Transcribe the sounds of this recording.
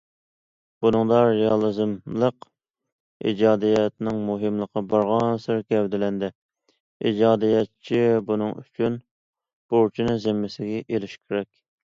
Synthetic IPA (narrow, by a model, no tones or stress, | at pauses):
b̥unɨŋd̪ɑɾeɑlˠɨzɨmlˠəq | ḭd͡ʒɑːd̪ijɛt̪nɪŋmuɦɨmlˠəqʰːɑbɑɾʁɑnsɨɾkʲʰɛwd̪ɪlɛnd̪ɛ | ḭd͡ʒɑːd̪ijɛt̪t͡ʃʰibunɨŋy̰t͡ʃʰyn | b̥oɾt͡ʃʰinɨzɪmːɪsɪɡʲɛʔelɪʃkʲʰeɾɛkʲ